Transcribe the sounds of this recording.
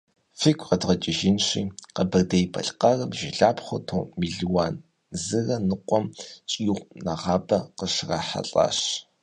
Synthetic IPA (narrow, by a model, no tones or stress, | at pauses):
fikʷʰʼqɐdʁɐt͡ʃʼɪʒɪnɕḭːqɐbɐrdejpʰɐ̰ɬqɐrɐbʒɪɮaːpχʷɐtʰoːmiɮiwaːn | zɨrɐnɨqʷɔmt͡ʃʼiːʁʷnaʁɑːbɐqəʂrɐħa̰ɬʼa̰ɕ